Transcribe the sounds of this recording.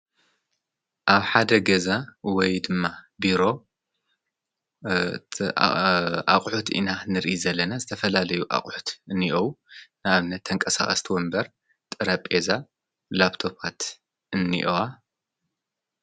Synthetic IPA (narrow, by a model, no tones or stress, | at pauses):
ʔaβħad̪ɐɡɐzawɔjd̪ɨmːabiɾo̞ | ʔa̰χʼʕut̪ʔḭnanɨɾʔizɐlːɐnazɨt̪ʰɐfɐlalɐjuʔa̰χʼħut̪ʰɨnːiʔownaβnːɐt̪ʰːɐŋkʼɐsa̰χʼɐ̰st̪ʰiwɔmbɐɾ | t̪ʼɨɾɐpʼeza | laβt̪ʰo̞pʰat̪ | ɨnːḭʔowa